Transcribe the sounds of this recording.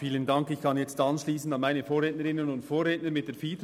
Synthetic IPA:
fiːləndɑŋkɪçkʰɑnjɛt͡stɑnʃliːsn̩dɑnmaɪnəfoːɾʁeːtnəɾɪnənʊntfoːɾʁeːtnəmɪt̚d̥eːɐfiːt

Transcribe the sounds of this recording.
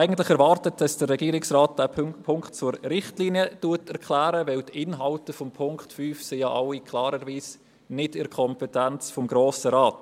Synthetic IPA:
æɪɡəntlɪχɛɾvɑːɾtətd̥ɑsd̥ərɛɡ̥iːɾɪksɾaːt̚d̥æːpʰʊŋkt̚t͡suɾɾɪχtliːniətuətɛɾkʰlæːɾəʋɪwtɪnɦɑltəfɔmpʰʊŋkχtfyːfsɪjɑːʔɑʊikʰlɑːɾəɾviːs | nɪdɪɾkʰɔmpɛtænt͡sfɔmɡɾoːsəɾɑːt

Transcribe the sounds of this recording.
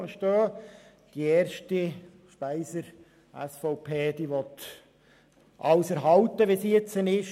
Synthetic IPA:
əʃtøː | d̥iɛːɾʃti | ʃpæɪsəɾ | æ̰sfɔʊpʰeːd̥̪iʋɔt̪ | ʔɑwsɛɾɦɑlt̪əʋesiɛt͡sənɪʃ

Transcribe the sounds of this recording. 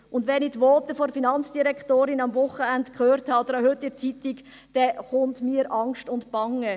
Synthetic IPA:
ʔʊndʋɛnɪtʋɔːtəfɔɾfinɑnt͡sd̥iɾɛktoːɾɪnɑmvʊχəæntkχøːɾthɑːd̪ɾɑhøtːɪt͡sitik | d̥ɛχʊntmiːɾʔɑŋʃtʊntb̥ɑŋə

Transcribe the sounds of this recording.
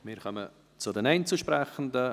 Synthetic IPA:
mɪːɾkœmə̰ | t͡sʊdɛnɛɪnt͡suʃpɾɛχən̩də

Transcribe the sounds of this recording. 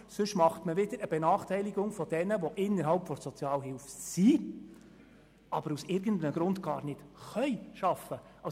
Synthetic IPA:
sɵʃmɑχtməʋɪd̥əɾəb̥ɛnɑːχtʰɛjliɡʊŋfɔd̥ɛnəʋɔʔɪnːəɾɦɑlpfɔɾsɔt͡sjɑːlɦɪlfsi | ʔɑbəɾusɪɾɡəndənəɡɾʊndɡ̥ɑːɾnɪtχœʏʃɑfəʔɑ

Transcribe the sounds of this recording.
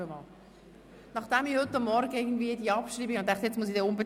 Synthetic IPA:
əmɑ̰ːl | nɑχd̥ɛmihʏtːɑmːɔɾɡəɪɡən̩dviəd̪iəɑpʃɾiːbiɡont̪ɛŋkt̪jɛt͡smusidɛːʊmbe

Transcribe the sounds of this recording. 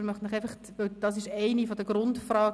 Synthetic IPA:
mɑχtɪχæɪfəχtʋɵld̥ɑs̬ɪʃɛɪnifodəɡɾʊntfrɑːɡ

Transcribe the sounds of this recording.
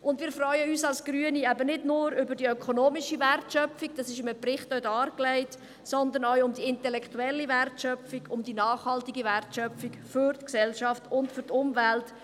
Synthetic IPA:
ʔʊndʋɪːɾfrœʏəyːsɑlsɡ̥ɾyːəniæbənɪdnʊːɾʏbədiœkʰonoːmiʃiværtʃœpfik̚d̥ɑːsɪʃɪməprɪχtœdɑːɾklɛɪt | sɔnd̪ənawʊmdiɪntɛlɛktuɛlːiværtʃœfiɡʊmd̪inɑːχhɑltiɡiværtʃœfikfʏɾtksɛlʃɑftʊntfʏɾtʊmvælt

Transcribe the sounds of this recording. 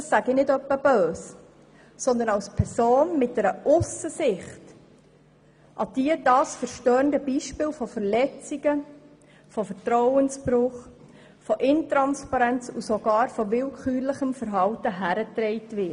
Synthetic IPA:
dɑsːæɡɪnɪdœpːəb̥øːs | sɔnd̪ənɑwspʰɛɾsoːnmɪt̚d̥ɛɾəʔʊsəsɪχt | ʔɑd̥iədɑːsfəɾʃtœːndəbiʃpɪːlfɔfəɾlɛt͡siɡə | fɔfəɾtɾɔwənspɾʊχ | fɔʔɪntɾɑnspɑɾɛnt͡susɔɡɑːɾfɔʋɪlkχyːɾləχəmfəɾɦɑwtəɦæɾətɾɛɪtʋɪt

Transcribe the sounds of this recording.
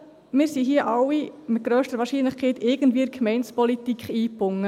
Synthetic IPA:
mɪːɾsiɦiəʔɑwːimɪt̪̚ɡ̥ɾœːʃtəʋɑːɾʃiːnləχkʰɛɪtɪɡən̩tviəɾkʰmɛɪnspɔlitikχiːpʊŋːə

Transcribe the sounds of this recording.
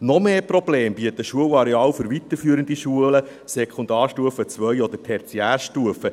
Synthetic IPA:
nɔmeːprɔb̥leːmbiət̪əʃuəwɑɾeɑːlfʏɾʋit̪əɾfyːɾənd̪iʃuələ | sɛkχʊnd̪ɑːɾʃtuəfət͡sʋœjɔd̪ətʰɛɾt͡siæːɾʃtuəfə

